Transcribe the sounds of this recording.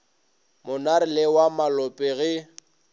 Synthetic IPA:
mʊnaɾɪlɛwamalɔpʼɛɣɪ

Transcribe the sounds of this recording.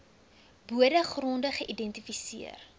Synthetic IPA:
buədəχrɔndəχəʔidɛntifisiə̰r

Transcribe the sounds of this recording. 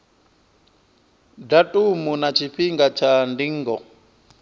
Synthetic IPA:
datʼumunat͡ʃʰiɸiŋɡat͡ʃʰandiŋ̩ːɡɔ

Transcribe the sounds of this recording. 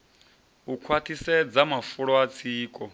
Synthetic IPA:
ukʰwatʰisɛd͡zamafuɺɔat͡sʰiːkʼɔ

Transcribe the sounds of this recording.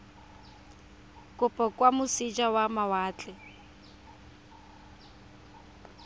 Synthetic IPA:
kʼʊpʼɔkʼwamʊsid͡ʒawamawaːt͡ɬʼɛ

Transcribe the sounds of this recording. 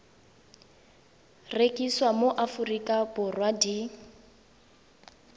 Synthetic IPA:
rekʼiswamoʔafurikʼabʊrwadi

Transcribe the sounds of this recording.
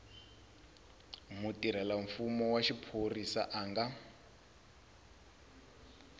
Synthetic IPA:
mutiɾ̤ɛlaɱfumɔwaʃipʰorisa̰ʔaːŋɡa

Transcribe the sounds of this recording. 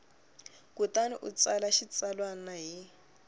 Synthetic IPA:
kutaniʔṵt͡salaʃit͡salwanaɦi

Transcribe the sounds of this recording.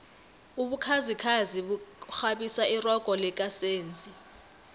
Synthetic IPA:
uɓukʰazikʰaziɓuxaɓisairɔɡ̥ʼʱɔlɛk̬ʼaseːnd͡zʱi

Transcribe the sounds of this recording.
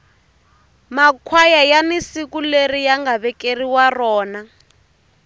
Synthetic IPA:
makʰwajajanisikulerijaŋɡaβɛkeriwarɔːna

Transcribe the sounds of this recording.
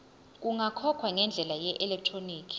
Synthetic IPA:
k̬ʼuŋakʰɔkʰwaŋɛnd͡ɮʱɛlajɛʔɛlɛk̚tʰʼroniːkʰi̥

